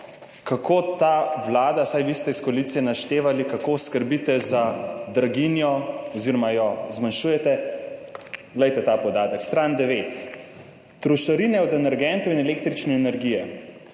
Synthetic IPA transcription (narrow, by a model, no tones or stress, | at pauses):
kakʰoːt̪aːʋlaːd̪asajʋist̪ɛiskɔliːt̪siɛnaʃt̪eːʋalikakoskəɾbit̪ɛzad̪ɾaɡinjɔɔziɾɔmajɔzmanʃujɛt̪ɛ | ɡlɛjt̪ɛt̪aːpɔd̪aːt̪əkst̪ɾand̪ɛʋeːt̪ː | ɾuʃaɾinɛɔd̪ɛnɛɾɡɛnt̪ɔinɛleːkt̪ɾit͡ʃnɛːnɛɾɡijɛ